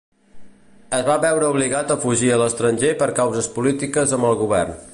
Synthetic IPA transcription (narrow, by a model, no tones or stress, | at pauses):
əzβaβɛwɾəuβliɣat̪əfuʒiələst̪ɾənʲʒepəɾkawzəspulit̪ikəzəmbəlˠɣuβɛ̰rn